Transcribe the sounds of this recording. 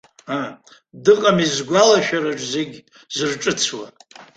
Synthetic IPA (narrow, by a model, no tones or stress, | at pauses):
a | dɨqʼamizɡʷalaʃᶣaɾaʐzeɡʲ | zɨrʈ͡ʂʼɨt͡sʰwa̰